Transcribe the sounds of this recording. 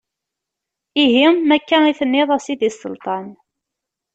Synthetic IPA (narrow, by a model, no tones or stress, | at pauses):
iɦimækːæniθənːɪðˤæsid̪isˤə̰lt̪ˤɑn